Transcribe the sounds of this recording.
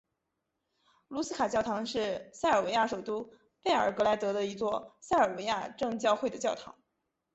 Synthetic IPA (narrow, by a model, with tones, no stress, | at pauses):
lu˧˥sɹ̩˥kʰa˨˩t͡ɕjɑ˥˩ʊt̪ʰɑ˧˥ŋʂɻ̩˥˧sa˥˩ɪə˞˨˩we˧˥ɪja˥˩ʂo˨˩ʊt̪u˥ | pe˥˩ɪə˞˨˩kɤ˧˥la˧˥ɪt̪ɤ˧˥ɾə˧i˧˥t͡swɔ˥˧sa˥˩ɪə˞˨˩we˧˥ɪja˥˧ʈ͡ʂɤ˥˧ŋt͡ɕjɑ˥˧ʊxwe˥˩ɪd̪ə˩t͡ɕjɑ˥˩ʊt̪ʰɑ̰˧˥ŋ